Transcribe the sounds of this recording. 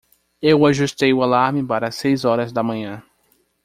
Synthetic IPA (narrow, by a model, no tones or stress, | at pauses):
ewaʒust̪ejʊalaɾmɪpaɾɐasejzɔɾɐzd̪ɐmɐ̃ɲɐ̃